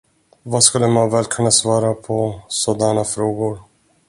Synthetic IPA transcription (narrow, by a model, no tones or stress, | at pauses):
vaskɵlːəmanvɛːlkʰɵnːasvɑːɾapʰɔsoːd̪aɳafɾoːɡʊɾ